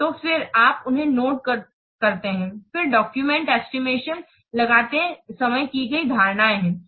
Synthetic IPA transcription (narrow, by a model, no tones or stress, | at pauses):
t̪oːfɪɾaːpʊnɦẽnoːʈ̚kɐ | kɐɾt̪eɦɛ̃ːfɪɾɖɔːkjumɛ̃ɳʈɛsʈɪmeːʃən | lɐɡaːt̪eɛ̃sɐməjkiɡɐid̪ʱaːɾnaːeɦɛ̃ː